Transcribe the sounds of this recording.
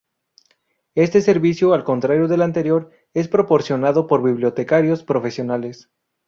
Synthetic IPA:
e̞st̪e̞se̞ɾβisjoalko̞nt̪ɾaɾjoðe̞lant̪e̞ɾjo̞ɾ | e̞spɾo̞po̞ɾsjo̞naðo̞po̞ɾβiβljo̞t̪e̞kaɾjo̞spɾo̞fe̞sjo̞nales

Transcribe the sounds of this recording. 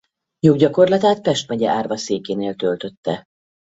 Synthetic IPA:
joːɡɟɒko̞rlɒt̪aːt̪pɛʃt̪mɛɟɛʔaːrvɒseːkeːneːlt̪ølt̪ø̞t̪ːɛ

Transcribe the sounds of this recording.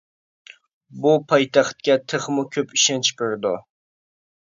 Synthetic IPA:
bupʰɑjt̪ʰaχt̪̚kʲɛt̪ʰɨχmʊkʲʰɵpiʃɛnt͡ʃʰkɨɾd̪ʊ

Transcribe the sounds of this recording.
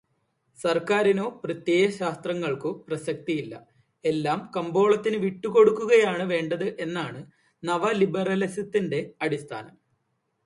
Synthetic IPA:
sɐrkaːɾino̞ːprɐt̪jeːjɐɕaːst̪rɐŋːɐɭkoprɐɕɐk̚t̪ijilːɐ̰ | e̞lːaːmkɐmbo̞ːɭɐt̪ːinɨʋiʈːuko̞ɽukːuɣɐjaːɳɨʋe̞ːɳɖɐðɨʔe̞nːaːɳɨ | nɐʋɐlibɐrɐlɐsɐt̪ːinde̞ɐɽist̪ʰa̰ːnɐm

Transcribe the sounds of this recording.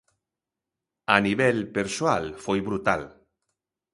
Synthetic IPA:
aniβɛlpeɾsoalfojβɾut̪a̰l

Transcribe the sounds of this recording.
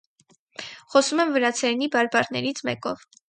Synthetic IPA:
χɔsumɛmvəɾɑt͡sʰɛɾnibɑɾbɑɾnɛɾit͡sʰmɛ̰kɔv

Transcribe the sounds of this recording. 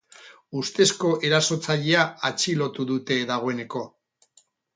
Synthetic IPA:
ust̪e̞sko̞ʔe̞ɾaso̞t͡saʎe̞aat͡ʃilo̞t̪uðut̪e̞ðaɣ̞o̞e̞ne̞ko̞

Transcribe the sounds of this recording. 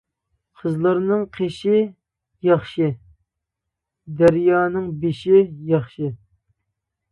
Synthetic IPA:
qʰəzlˠɑɾnɨŋqʰeʃɪ | jɑχʃɨ | d̪æɾjɑːnɨŋbeʃɪjɑχʃɨ

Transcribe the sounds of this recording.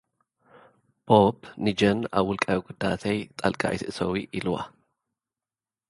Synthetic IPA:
b̥obnɪd͡ʒɐna̰wʊlkʼɐɡʊd̪ːa̰ːt̪ʰɐjt̪ʼɐlkʼa̰ʔɪt̪ʔsɐwiʔɪlwa̰

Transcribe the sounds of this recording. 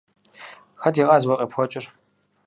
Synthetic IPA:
xɐdiːqʼɑːzwɐqʼipʰxʷɔt͡ʃʼɪr

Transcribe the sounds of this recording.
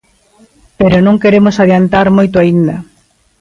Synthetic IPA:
peɾonõŋkeɾemʊsaðjant̪aɾmojt̪oaind̪ɐ

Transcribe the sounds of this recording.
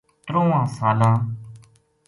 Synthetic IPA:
t̪ɾõːãːsaːlãː

